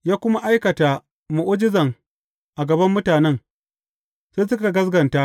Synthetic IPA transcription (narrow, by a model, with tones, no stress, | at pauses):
jaː˦kʷʊ˦ma˦ʔa˦jkɐ˨ta˨ | mʊ˨ʔo˦d͡ʒɪ˦zɐ˨ŋ | ʔa˨ɡɐ˨bɐ˦mːʊ˦taː˨nɛ˦ŋ | se˦sʊ˦ka˨ɡɐ˦zɡɐ˨ntaː˦ʔ